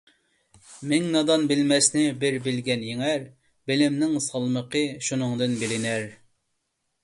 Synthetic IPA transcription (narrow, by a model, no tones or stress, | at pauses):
mɪŋnɑd̪ɑnbɪlmɛsnɪbɪɾbɪlɡʲɛnjeŋæɾ | bɪlɪmnɪŋsɑlˠməqʰəʃunɨŋd̪ɨnbɪlɪnæɾ